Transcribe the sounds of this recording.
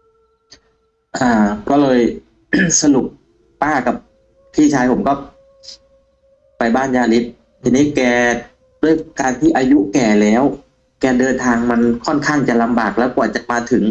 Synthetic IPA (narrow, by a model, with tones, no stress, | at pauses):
ʔaː˧˩kɔː˥˩lɤː˧j | sa˧lu˨˩k̚ | paː˥˩ka˨˩p̚ | t̪ʰiː˥˩t͡ɕʰaː˧jpʰo˩˦mkɔː˥˩ | pa˧jbaː˥˩njaː˧li˦˥t̪̚ | t̪ʰːiː˧niː˦˥˩kɛː˧˩ | du˥˩əjkaː˧nt̪ʰiː˥˩ʔaː˧ju˦˥kɛː˨˩lɛː˦˥w | kɛː˧dɤː˧nt̪ʰaː˧ŋma˧nkʰɔ˥˩nkʰaː˥˩ŋt͡ɕa˨˩la˧mbaː˨˩k̚lɛː˦˥wku˨˩ɐ˩t̚t͡ɕa˨˩maː˧t̪ʰɯ˩˦ŋ